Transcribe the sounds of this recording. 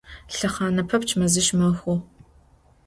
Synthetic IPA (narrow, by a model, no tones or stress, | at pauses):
ɬɐχɑːnɐpʰɐpt͡ʃʰmɐzɨʃmɐxʷʊ